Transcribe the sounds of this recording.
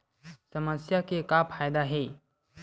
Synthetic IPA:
səməsjakekapʰaːjd̪aɦɛː

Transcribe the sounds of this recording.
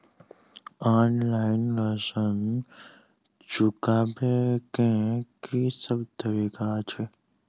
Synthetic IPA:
aːnlaːɪnɾəsən | t͡ʃukaːbekẽkisəbt̪əɾikat͡ʃʰe

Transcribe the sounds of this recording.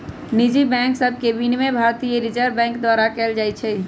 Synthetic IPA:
nid͡ʒibɛ̃ːŋksəb̚ʱkebinmebʱaːɾt̪ijeɾɪd͡ʒəɾbɛ̃ːŋkd̪waːɾakɛːld͡ʒaːit͡ʃʰɛ

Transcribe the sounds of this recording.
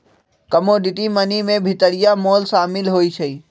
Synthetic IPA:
kəmoːɖɪʈimənimẽbʱɪt̪əɽɪjamoːlsaːmɪlɦoːit͡ʃʰəiː

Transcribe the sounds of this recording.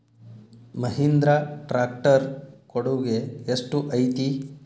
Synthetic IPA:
mɐɦind̪ɾaʈɾaːk̚ʈɐɾkoɽuɡeeʂʈuʔɐjt̪i

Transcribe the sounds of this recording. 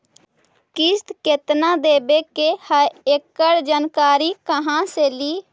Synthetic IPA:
kɪst̪ket̪nad̪eːbekehəekːəɾd͡ʒaːnkaːɾikəɦãseliː

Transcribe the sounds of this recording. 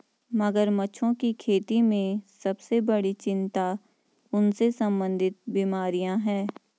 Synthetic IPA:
mɐɡəɾmɐːʃʰõkikʰeːt̪imẽsɐbsebɐɽit͡ʃɪ̃nt̪a | ʊnsesɐ̃mbə̃nd̪ʱɪt̪̚biːmaːɾijãɦɛ̃ː

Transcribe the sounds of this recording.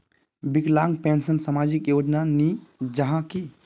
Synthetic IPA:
biklaŋɡpensənsəmad͡ʒikjod͡ʒnanid͡ʒəɦãki

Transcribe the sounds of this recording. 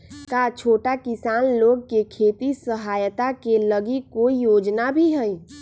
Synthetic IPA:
kat͡ʃʰoːʈakɪsaːnloːɡ̚kekʰeːt̪isəɦaːjt̪akeləɡikoːijoːd͡ʒnabʱiɦəj

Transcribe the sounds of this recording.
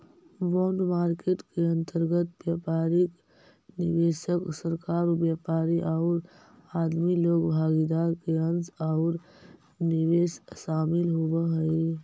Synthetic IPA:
bɔːɳɖmaːɾkeːʈkeə̃nt̪əɾɡət̪bjaːpaːɾɪk | nɪʋeːʃəksəɾkaːɾobjaːpaːɾiʔaːɾ | aːd̪miloːɡbʱaːɡid̪aːɾkeə̃nzaʊɾ | nɪʋeːsʃaːmɪlɦowəɦəi

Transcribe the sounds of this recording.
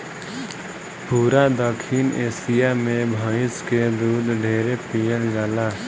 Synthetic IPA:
puːɾad̪əkʰineːsɪjamẽbʱaːɪsked̪uːd̪ɖʱeːɾepijəld͡ʒaːla

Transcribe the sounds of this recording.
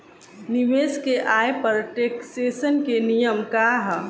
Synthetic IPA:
niʋeːskeʔaːepəɾʈeːkseːsənkenijəmkaɦ

